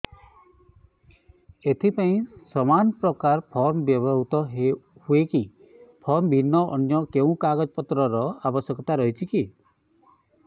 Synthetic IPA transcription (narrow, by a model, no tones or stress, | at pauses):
et̪ʰipaĩsɔmanpɾɔkaɾpʰɔɾmɔbjɔbɔɦut̪ɔɦehueki | pʰɔɾmbʱinːɔʔɔ̰njɔkeũkaɡɔd͡ʒɔpɔt̪ɾɔɾɔabɔsjɔkɔt̪aɾɔɦit͡ʃʰiki